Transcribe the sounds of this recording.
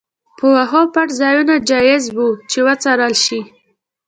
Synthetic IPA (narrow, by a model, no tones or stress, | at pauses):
pʰəwaɦɑpaʈzɑjunad͡ʒɑjɪzbut͡ʃewat͡saɾɑlʃi